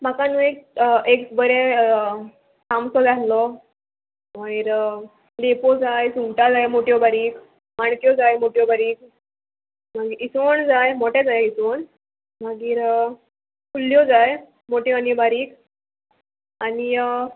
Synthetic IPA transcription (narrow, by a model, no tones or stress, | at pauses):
makanũekeksbəɾe | tamsɔd͡zatlɔ | məiɾ | lepod͡zajsuŋʈad͡zajmoʈjɔbaɾiːk | maɳkjɔd͡zajmoʈjɔbaɾiːk | maɡiːɾisond͡zajmoʈɛd͡zajisʋon | maɡiːɾ | kulːjɔd͡zaj | moʈjɔanibaɾiːk | ani